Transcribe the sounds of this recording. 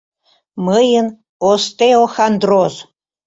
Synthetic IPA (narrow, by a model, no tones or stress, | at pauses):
məjən | ost̪eoxand̪roz